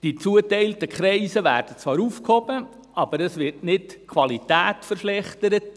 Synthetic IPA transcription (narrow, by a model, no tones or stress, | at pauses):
d̥it͡suətɛɪltəkχɾɛɪsəʋæ̰ːɾd̥ət͡sʋɑːɾuːfkhɔbə | ɑb̥əɾəsʋɪɾtnɪtkʰʋɑlitæːtfəɾʃlɛχtəɾət